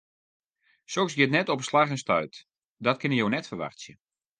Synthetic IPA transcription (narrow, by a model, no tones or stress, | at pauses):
soksɡjɪtnɛtɔpəslaɣənstœ̰ɥt | dɔt̚kɪnəjownɛtfərʋa̰rsjə